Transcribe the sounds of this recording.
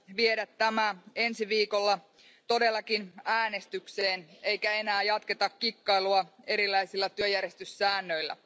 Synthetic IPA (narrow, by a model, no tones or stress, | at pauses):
ʋiedæt̪ːæmæe̞nsiʋiːko̞lːɑ | t̪o̞de̞lːɑkinæːne̞st̪ykse̞ːne̞jkæe̞næːjɑt̪ke̞t̪ɑkːikːɑjluɑe̞ɾilːˑæjsilːæt̪yøjærje̞st̪ysːæːnːø̞jlːæ̰